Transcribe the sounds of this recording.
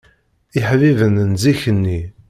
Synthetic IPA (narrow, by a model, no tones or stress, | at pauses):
iħvivənənziçənːi